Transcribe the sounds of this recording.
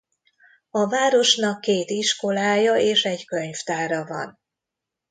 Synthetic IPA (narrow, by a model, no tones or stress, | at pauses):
ɒvaːɾo̞ʃnɒkːeːt̪iʃko̞laːjɒeːʃɛɟkø̞ɲft̪aːɾɒvɒ̰n